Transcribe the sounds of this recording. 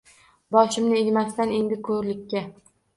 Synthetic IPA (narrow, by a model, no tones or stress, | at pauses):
bɒʃɪmnɪeɡʲmast̪ane̞nd̪ɪkʰɵɾlɪkʲːa